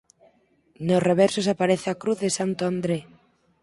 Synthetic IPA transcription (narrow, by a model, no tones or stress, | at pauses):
nosreβɛɾsosapaɾeθeakɾuθðesant̪oand̪ɾe